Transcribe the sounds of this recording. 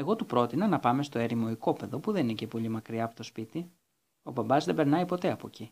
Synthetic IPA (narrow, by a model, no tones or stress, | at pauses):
e̞ɣo̞t̪upɾo̞t̪inɐnɐpɐme̞st̪o̞e̞ɾimo̞iko̞pe̞ðo̞puðeninece̞po̞ʎimɐkɾiɐːpot̪ospit̪i | o̞̰bɐbɐzðe̞be̞ɾnɐipo̞t̪e̞ɐpo̞̰ci